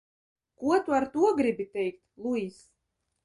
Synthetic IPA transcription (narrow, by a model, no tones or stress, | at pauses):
kuɔt̪uaɾt̪uɔɡɾibʲit̪ʲɛjkt̪lˠuis